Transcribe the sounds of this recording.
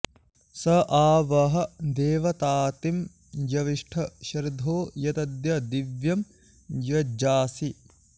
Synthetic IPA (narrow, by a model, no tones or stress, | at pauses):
sɐʔaːʋɐɦɐ̆d̪eːʋɐt̪aːt̪im | jɐʋiʂʈʰɐʃɐɾid̪ʱoːjɐt̪ɐd̪jɐd̪iʋjɐm | jɐd͡ʒaːsi